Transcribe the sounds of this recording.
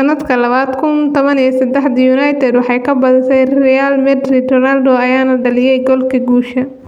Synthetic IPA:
ɐnːɐd̪kʰɐlɐβaːd̪kʰʊnt̪ʰɔβɐnijɔsɐd̪ɛħd̪ɐjuːnɐjt̪ʰɛd̪wɑħɑjkʰɐbɐðɪt̪ʰɛjrrɛjalmɛd̪ɾid̪ɔnald̪ɔɐjaːnɐɖɐlɪjɛjɡɔlkʰɐɡuːʃɐ

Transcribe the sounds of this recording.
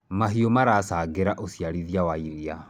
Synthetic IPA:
maɦiomaɾaːsaːɡeɾaʔosijaɾiðiawaiɾia

